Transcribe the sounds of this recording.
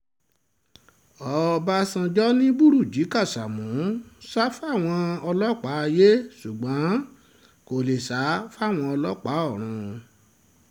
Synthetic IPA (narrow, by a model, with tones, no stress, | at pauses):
ɔ˧˦˧ba˦sã˧d͡ʒɔ˦nĩ˦bu˦˨ɾu˦˨d͡ʒi˨˦ka˦˨sa˨mũ˨˦sa˦fa˦˨w̃ɔ̃˧ɔ˧lɔ˦k͡pa˨˦a˧je˦su˨ɡ͡bã˨˦ | ko˨le˨sa˨˦fa˦˨w̃ɔ̃˧ɔ˧lɔ˦k͡pa˨˦ɔ˦˨ɾ̃ũ˧